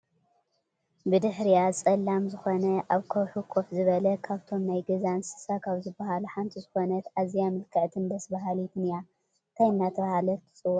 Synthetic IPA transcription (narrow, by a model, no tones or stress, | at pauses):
bɨd̪ɨħɾijat͡sʼɐlːamzɨxonɐʔaβkʰɐwħukʰofzɨβɐlɐkʰaβt̪ʰo̞mnajɡɐzansɨ̥sakʰawzɨbːɐhaluħant̪ʰizɨxonɐt̪azjamɨlkʰɨʕt̪ʰɨnd̪ɐsbɐɦalit̪ʰɨnja | t̪ʰajnːat̪ʰɐβɐhalɐt̪ʰːɨ̥t͡sʼɨwːɔʔ